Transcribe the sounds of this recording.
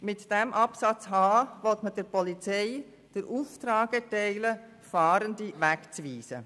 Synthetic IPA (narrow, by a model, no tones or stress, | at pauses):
mɪtd̥ɛmʔɑpsɑt͡shaːvɔltmədɛːɾpʰɔlit͡seɪ | d̥eɾʔuːftɾaːɡ̥ətɛɪlə | fɑːɾəndivɛkt͡sviːsə̰